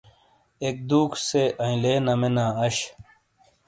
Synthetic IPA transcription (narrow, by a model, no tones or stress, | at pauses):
ek̚d̪uːkʰseʔɐ̃ĩleːnɐmenaːɐɕ